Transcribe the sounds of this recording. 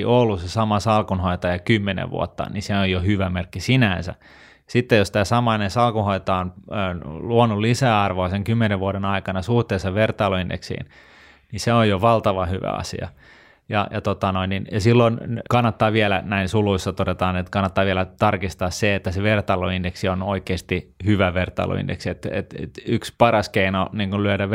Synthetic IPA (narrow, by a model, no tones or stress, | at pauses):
ʔolːusesɑmɑsɑlkunhoit̪ɑjɑkymːenḛʋʋṵo̰t̪ːɑ̰niseojohyʋæmerkːisinænsæ̰ | sit̪ːejost̪æːsɑmɑinensɑlkuhoit̪ɑonː | luonulisæːɑrʋoɑseŋkymːeneʋʋuoɾenɑikɑnɑsuht̪eːsːɑʋert̪ɑːloindḛksḭːn | niseojjoʋɑlt̪ɑʋɑhyʋæ̰ɑ̰sḭɑ̰ | jɑ̰jɑt̪ot̪ɑnoinːinjɑsilːonkɑnːɑt̪ːɑːʋielænæinsuluisːɑt̪odet̪ɑːnet̪kɑnːɑt̪ːɑːʋielæt̪ɑrkist̪ɑːsseet̪ːæseʋert̪ɑloindeksionoikeːst̪ihyʋæʋert̪ɑ̰ḭlʔo̰ḭndḛksiet̪ḛt̪ḛt̪ykspɑrɑskeinoniːŋkullyøɾæ